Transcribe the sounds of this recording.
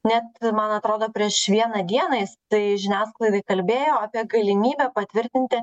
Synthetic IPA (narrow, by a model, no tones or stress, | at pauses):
nʲɛt̪mɐnɐt̪ɾoːd̪oːpʲɾʲiɛʃʋʲiɛnɐd̪ʲiɛnɐjɪst̪ɐɪʒʲɪnʲæːsklˠɐɪd̪ɐɪkɐlʲbʲeːjoːɑːpʲiɛɡɐlʲɪmʲiːbʲɛpɐt̪ʲʋʲɪɾʲt̪ʲɪnʲt̪ʲɪ